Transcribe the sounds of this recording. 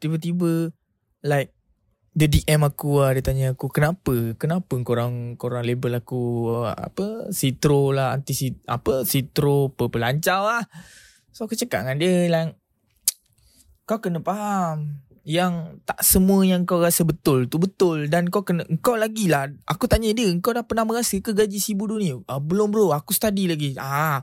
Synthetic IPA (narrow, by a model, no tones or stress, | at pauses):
t̪ibət̪ibə | lajk̚ | dədiʔɛmakuadət̪aɲəakukənapəkənapəŋkoɾaŋkoɾaŋlebəlakṵa̰pəsit̪ɾolaɦa̰nt̪isia̰pəsit̪ɾopəpəlaɲt͡ʃawah | soakut͡ʃəkaʔŋandiəlaŋ | kawkənəpaɦam | jaŋt̪aʔsəmuəjaŋəŋkawɾasəbət̪ʊlt̪ubət̪ʊldankawkənəʔəŋkawlaɡilahʔa̰kut̪aɲədiəəŋkawdapat̪naməɣasəkəɡad͡ʒisibuduniəʔəbəlʊmbəɾoakusə̥t̪adilaɡia